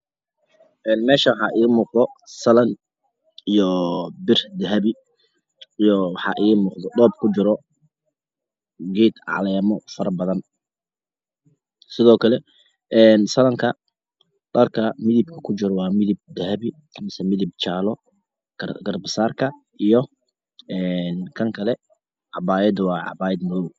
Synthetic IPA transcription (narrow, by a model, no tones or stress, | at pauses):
ʔɛːnmɛːʃɐwħɑ̰ʔiːmuːqd̪ɔsɐlɐn | ijɔbɪrd̪ɐɦɐβɪ | ijɔwɑħɑ̰ʔiːmuːqd̪ɔɗɔːb̚kʰʊt͡ʃɪɾɔ | ɡɛːd̪ʕɑ̰lɛːmɔfɐɾɐbɐðɐn | sɪðɔːkʰɐlɛ | ʔɛːnsɐlɐŋkʰɐ | ɖɐrkʰɐmɪðɪb̚kʰɐkʰʊt͡ʃɪɾɔwɑːmɪðɪb̚d̪ɐɦɐβikʰmɪsɛmɪðɪb̚t͡ʃaːlɔ | ɡ̰ɡɐrbɐsaːrkʰɐ | ʔijɔ | ɛːnkʰɐŋkʰɐlɛ | ʕɑbaːjɛd̪wɑːʕɑ̰baːjɛd̪mʊðɔw